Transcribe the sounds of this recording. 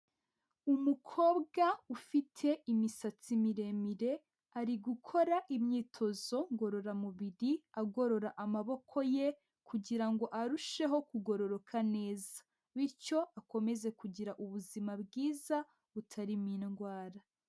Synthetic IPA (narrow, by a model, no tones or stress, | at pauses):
umukʰo̞ːbɡaufitʰe̞imisat͡simiɾe̞miɾe̞ | aɾiɡukʰo̞ɾaʔimɲiːtʰo̞zo̞ŋɡo̞ɾo̞ɾamuβiɾiaɡo̞ɾo̞ɾaʔamaβo̞kʰo̞je̞ | kʰuɟiɾaŋɡo̞ʔaɾuʃe̞ɦo̞kuɡo̞ɾo̞ɾo̞kʰane̞ːza | βiɾco̞ako̞me̞ze̞kuɟiɾaʔuβuzimabɡiːza | βutʰaɾiminɡwaːɾa